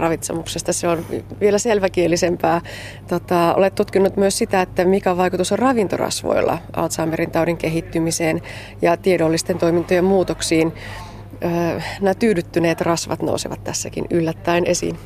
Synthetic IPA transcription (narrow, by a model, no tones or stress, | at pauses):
rɑʋit̪sḛmuksest̪ɑseonʋielæselʋækielːisempæː | t̪ot̪ɑo̰let̪t̪ːut̪kinːut̪myøssit̪æet̪ːæmikæʋɑikut̪usorɑʋint̪orɑ̰sʋo̰ilːɑ̰ʔɑ̰lt̪sɑːmːeɾint̪ɑudiŋkeɦit̪ːymiseːn | jɑt̪iedolːist̪ent̪oimint̪ojemmuːt̪oksiːn | əːnæt̪yːdyt̪ːyneːt̪rɑsʋɑ̰t̪no̰sḭʋɑ̰t̪t̪æsːækḭnylːæt̪ːæinʔesḭn